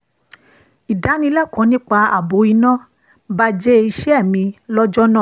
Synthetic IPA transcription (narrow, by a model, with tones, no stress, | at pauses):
i˨da˨˦nĩ˧la˦˨kɔ̃˨˦nĩ˦k͡pa˧a̰˨bo˨˦i˧nã˦ | ba˦˧d͡ʒe˦i˧ʃɛ˦ɛ˦˨mĩ˧lɔ˦d͡ʒɔ˦nã˦˨